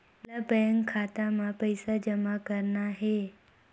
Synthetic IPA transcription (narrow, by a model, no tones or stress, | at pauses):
labəjəŋɡkʰːat̪amãpəjsad͡ʒəmakəɾnaɦe